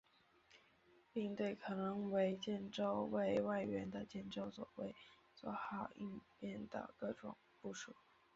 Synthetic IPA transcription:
pi˥˧ŋt̪we˥˩ɪkʰɤ˨˩nɤ˧˥ŋwe˧˥ɪt͡ɕjɛ˥˩nʈ͡ʂo˥ʊwe˥˧ɪwa˥˩ɪɥɛ˧˥nd̪ə˧t͡ɕjɛ˥˩nʈ͡ʂo˥ʊswɔ̰˨˩wḛ˥˩ɪ | t͡swɔ˧˥xɑ˨˩ʊi˥˧npjɛ˥˩nd̪ə̰˩kɤ˥˩ʈ͡ʂʊ̰˨˩˦ŋpu˥˩ʂu˥˩˦

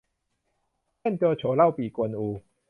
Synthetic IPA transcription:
ɛ˥˨nkə˧t͡ɕʰo˨˦la˥˧˨wpi˨˩kwə˨˦nu˨˦

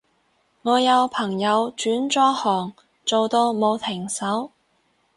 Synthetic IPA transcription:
ŋɔː˨˧jɐ˨˧wpʰɐ˨˩ŋjɐ˨˧wt͡ʃyː˨˥nt͡ʃɔː˥hɔː˨˩ŋ | t͡so˨wt̪o˧wmo˨˧wt̪ʰɪ˨˩ŋsɐ˨˥w

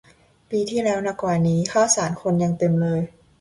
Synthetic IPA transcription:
piː˧t̪ʰiː˥˩lɛː˦˥wna˧˩kwaː˨˩niː˦˥xʰaː˥˩wsaː˩˦nkʰo˧nja˧ŋt̪e˧mlɤː˧j

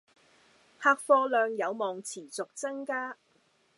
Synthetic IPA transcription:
haː˧k̚fɔː˧lœː˨ŋjɐ˨˧wmɔː˨ŋt͡sʰiː˨˩t͡sʊ˨k̚t͡sɐ˥ŋkaː˥

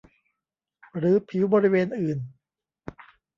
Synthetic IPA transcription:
ɾɯː˨˦pʰi˩˦wbɔː˧ɾi˦˥weː˧nʔɯː˨˩n

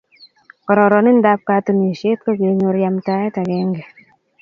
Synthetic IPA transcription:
kɔ˨ɾɔ˨ɾɔ˨nɪ˦n̩˦da˦p̚ka˧˦tu˨ni˨ʃe˦t̚kɔ˦ke˨˦ɲo˧ɾja˧mta˧˦ɛ˦ta˨kɛ˨˦ŋɡe˨

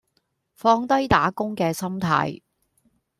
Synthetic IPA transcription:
fɔː˧ŋt̪ɐ˥jt̪aː˨˥kʊ˥ŋkɛː˧sɐ˥mt̪ʰa̰ː˧j

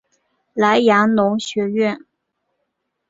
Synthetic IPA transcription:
la˧˥ɪjɑ˧˥ŋnʊ˧˥ŋɕɥɛ˧˥ɥɛ˥˩n

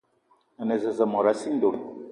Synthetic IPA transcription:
ə˨ne˨zə˨zə˨mɔ˨ɾa˨˦si˦n˦do˨ɾ

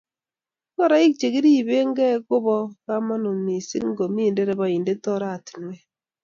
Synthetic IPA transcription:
kɔ˦ɾa˨˦i˦k̚t͡ʃe˨ki˦ɾi˦˨be˦ŋ˦ɡɛ˦kʊ˦bɔ˦ka˦ma˦no˨mi˨si˦kŋ˦ɡo˨mi˦˨de˦ɾɛ˦ba˨i˨nde˦tɔ˦ɾa˦˨ti̥˨nwɛ˦

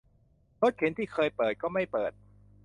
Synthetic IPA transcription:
lo˦˥t̪̚kʰe˩˦nt̪ʰiː˥˩kʰɤː˧jpɤː˨˩t̪̚kɔː˥˩ma˥˩jpɤː˨˩t̪̚

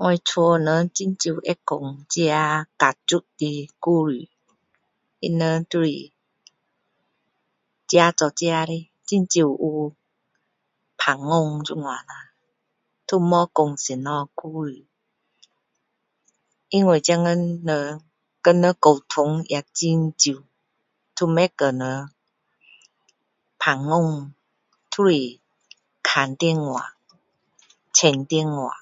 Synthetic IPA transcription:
ŋwa˧t͡sʰɔ˧nə˧˦t͡ɕi˦˧˦nt͡ɕi˧˨ɛ˦ko˨ŋt͡ɕi˦a˧ka˨t͡su˦t̚di˧ku˦ɾi˨ | ḭ˧nə˧˦t̪u˦ɾḭ˨ | t͡ɕja˧˦t͡sɔ˨t͡ɕi˦˧˦a˧ɾi˧ | t͡ɕi˦nt͡ɕi˧˨u˧ | pʰa˨˩ŋːo˧ŋd͡ʒu˦˧˦ŋwa˨na˧ | t̪ʰu˦mɔ˦ko˨ŋsi˨nɔ˧ku˦ɾi˨ | ʔi˧ŋwe˧˩˨t͡ɕa˧ŋə˧˥nːə˧ | kə˧nə˧˦ko˨˩wt̪ʰʊ˧˦ŋja˨˧˨k̚t͡ɕi˧nt͡ɕi˨ | t̪ʰu˧mɛ˦kə˨˧nə˧ | pʰa˨˩ŋːo˧˨ŋ | t̪ʰu˦ɾi˨ | kʰa˨nt̪i˧ŋwa̰˨ | t͡ɕʰɛ˧˩nt̪i˧ŋːwa̰˨

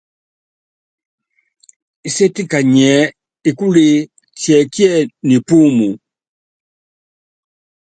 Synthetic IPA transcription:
i˨se˦ti˦ka˨ɲɛ˨˦ | i˨ku˦li˦ | t͡ʃjɛ˨kjɛ˦ni˨pu˦mu˨

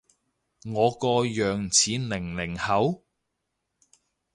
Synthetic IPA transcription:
ŋɔː˨˧kɔː˧jœː˨ŋt͡sʰiː˨˥nlɪ˨˩ŋlɪ˨˩ŋhɐ˨˥w

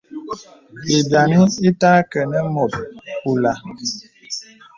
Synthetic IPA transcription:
i˨bja˨ni˦i˦taː˦kə˨nə˦mo˨t̚ku˨la˨

